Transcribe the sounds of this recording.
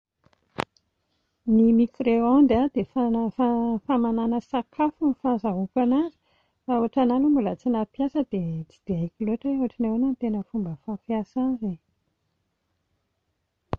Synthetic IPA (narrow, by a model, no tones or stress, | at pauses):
nimikreand̪ad̪̥efaafamananəsakʰafunfazaɦukanazi̥ | fauaʈ͡ʂanalumbulət͡sinapjasəd̪et͡si̥d̪̥eakiloʈ͡ʂaoaʈ͡ʂinewanant̪enəfumbəfapjasaze